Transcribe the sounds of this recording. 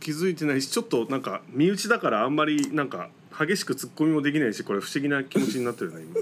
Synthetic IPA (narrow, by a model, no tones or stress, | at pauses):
kʲizɨit̪̬e̞naiɕi̥t͡ɕo̞t̪ːo̞nãŋka̰mʲiɯ̟t͡ɕid̪akaɾãːmːaɾʲinãŋka̰ | haɡʲe̞ɕi̥kɯ̟t͡sɨkːo̞mʲimo̞d̪ekʲinaiɕi̥ko̞ɾe̞ɸɯ̟̥ɕiɡʲinakʲimo̞t͡ɕiɲ̟inat̪ːejnaɾʲimas